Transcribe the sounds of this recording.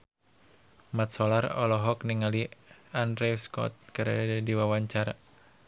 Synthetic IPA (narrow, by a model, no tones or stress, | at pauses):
mat̪̚sɔlarɔ̰lɔɦɔkniŋaliandɾɛskɔ̰t̪̚kaɾaadiwawaɲt͡ʃaɾa